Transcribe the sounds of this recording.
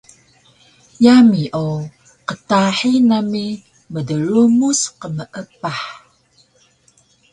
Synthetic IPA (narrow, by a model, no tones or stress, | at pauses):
jamiʔo | qətaħinami | mədəɾumusqəməʔəpaħ